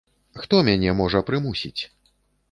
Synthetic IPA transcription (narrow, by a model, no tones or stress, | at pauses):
xt̪ɔmʲanʲɛmɔʐɐpɾɨmusʲit͡sʲ